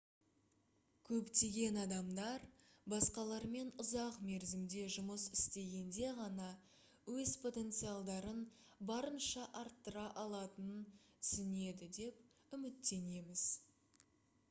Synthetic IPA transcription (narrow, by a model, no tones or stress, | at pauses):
kʲʰɵpt̪e̞ɡʲe̞nɑd̪ɑmd̪ɑɾ | bɑsqɑlˠɑɾme̞nʊzɑqme̞ɾzɪmd̪e̞ʒʊməsɪst̪e̞ɡʲe̞nd̪e̞ʁɑnɑ | wɵzpʰo̞t̪e̞nt̪sɨjɑlˠd̪ɑɾən | bɑɾənʃɑʔɑɾt̪ːəɾɑʔɑlˠɑt̪ənənsʏne̞d̪ɪd̪e̞p | ʏmɪt̪ːe̞ne̞mɪz̥